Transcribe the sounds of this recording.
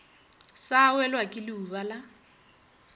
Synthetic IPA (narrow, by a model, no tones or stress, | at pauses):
sawɛlwakʼɪlɪubala